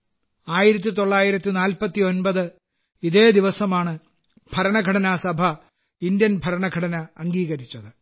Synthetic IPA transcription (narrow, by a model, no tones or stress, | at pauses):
aːjiɾɐt̪̬ːit̪o̞ɭːaːjiɾɐt̪ːinaːlpɐt̪ːio̞nbɐðɨ | iðe̞ːd̪iʋɐsɐmaːɳɨ | b̥ʱɐɾɐɳɐɡʱɐɽɐnɐsɐbʱɐ | ind̪jɐnbʱɐɾɐɳɐɡʱɐɽɐnɐːŋɡiːɣɐɾit͡ɕːɐðɨ